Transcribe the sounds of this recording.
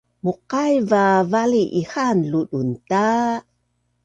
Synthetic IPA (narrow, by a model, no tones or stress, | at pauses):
muqajvavaliʔixanluɗunta